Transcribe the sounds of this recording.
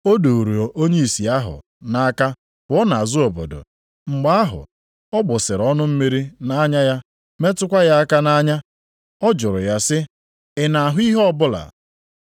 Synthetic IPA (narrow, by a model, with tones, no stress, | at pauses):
o˦do˨ɾu˨o˨ʔo˦ɲe˦i˨si˨a˦ɦʊ̰˨ | na˦a˦ka˦ | kʊ˨˦ɔ˦na˨a˨zʊ˦o˨bo̰˨do̰˨ | ŋ͡m̩˨ɡ͡ba˦a˦ɦʊ̰˨ | ɔ˦ɡ͡bʊ˨sɪ˨ɾɔ˦nʊ˦m̩˦me˦ɾi˦na˦ɲa˦ja˦ | me˦tʊ˦kʷa˦ja˦a˦ka˦na˦ɲa˦ | ɔ˦d͡ʒʊ˨ɾʊ̰˨ja˦sɪ˦ | ɪ˨na˨ɦʊ˦i˦ɦɔ˦bʊ˦la̰˨